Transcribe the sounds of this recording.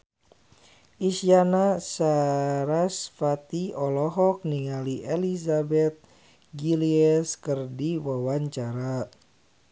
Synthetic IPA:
ʔisianasaɾasfat̪iɔlɔɦɔk̚niŋaliʔelisabɛt̪̚ | ɡiliɛskɨrdiwawaɲt͡ʃaɾa

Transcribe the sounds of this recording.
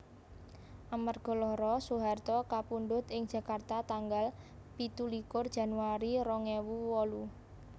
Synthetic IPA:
ʔamarɡ̥ɔ̤lɔɾɔsuɦart̪ɔkapunɖʊt̪ɪŋ̥d͡ʒ̥ä̤kart̪at̪aŋɡal | pit̪ulikʊrd̥ʒ̥a̤nuaɾiɾɔŋewuwɔlu

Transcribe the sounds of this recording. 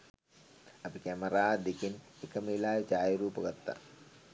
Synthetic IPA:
ɐpikɛmɐɾaːd̪ekinekɐmilaːjɐt͡ʃaːjɐɾuːpɐɡɐt̪ːa̰

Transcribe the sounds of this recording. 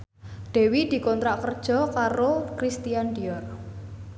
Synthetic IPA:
ɖ̥ɛ̤wid̪̥i̤kɔnt̪ɾaʔkərd̥ʒ̥ɔ̤kaɾokɾist̪ijand̪iɔr

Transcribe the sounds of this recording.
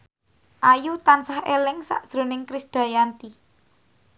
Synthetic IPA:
ʔajut̪ansahelɪŋsa̰ʔd̥ʒ̥ɾo̤nɪŋkɾɪsd̪̥a̤jant̪i

